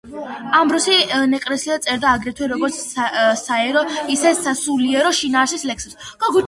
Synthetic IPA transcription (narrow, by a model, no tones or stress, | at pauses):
ambɾɔsinɛkʼɾɛsiat̪sʼɛɾd̪aːɡɾɛt̪ʰwɛɾɔɡɔɾt̪sʰsaɛɾɔisɛsasuliɛɾɔʃinaːsislɛkʰsɛsɡ̥ɔɡu